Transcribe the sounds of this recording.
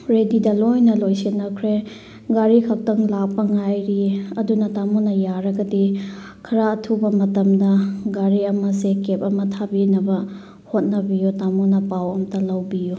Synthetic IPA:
ɾedidɐlojnɐlojsinːɐkʰɾe | ɡaɾikʰak̚tɐŋlak̚pɐŋajɾiɐdunɐtamunɐjaɾɐɡɐdi | kʰɐɾaɐtʰubɐmɐtɐmdɐɡaɾiɐmɐsekep̚ɐmɐtʰabinɐbɐ | hot̚nɐbijutamunɐpawɐmɐtɐlɐwbiju

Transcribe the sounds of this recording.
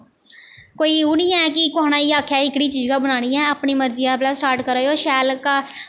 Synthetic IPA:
koːiːʊnijãɛːkɪkoaːnãːiːaːkʰjaːɪkɽiːt͡ʃiːd͡ʒkaːbənaːniːɛ̃ːəpniːməɾd͡ʒɪjãːpləssʈaːɾʈkəɾaːjoːʃɛːlka

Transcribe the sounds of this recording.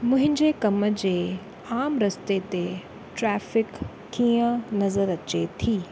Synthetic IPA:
mʊ̃ɦɪ̃ɲd͡ʑekɐməd͡ʑeː | aːmɾɐst̪et̪e | ʈɾɛːfɪk | t̪ʰiːə̃nɐzəɾɐt͡ɕet̪ʰiː

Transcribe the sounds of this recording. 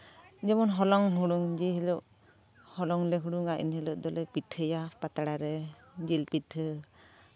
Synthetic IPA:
d͡ʒɛmɔnɦɔlɔŋɦuɽuŋd͡ʒɛɦɛlɔʔ | hɔlɔŋlɛɦuɽuŋaʔḭnhɛlɔʔd̪ɔlɛpiʈʰəjapat̪aɽaɾɛ | d͡ʒilpiʈʰə

